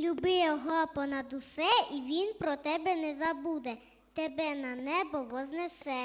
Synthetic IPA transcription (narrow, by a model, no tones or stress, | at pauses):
lʲubɪjɔɦɔpɔnɐd̪ʊsɛiʋʲinpɾɔt̪ɛbɛnɛzɐbud̪ɛ | t̪ɛbɛnɐnɛbɔʋɔznɛsɛ